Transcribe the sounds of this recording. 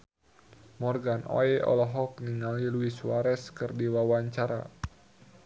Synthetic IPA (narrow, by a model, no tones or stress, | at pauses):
mɔrɡano̰ɛɔ̰lɔɦɔk̚niŋaliluiswaɾɛskɨrdiwawaɲt͡ʃaɾa̰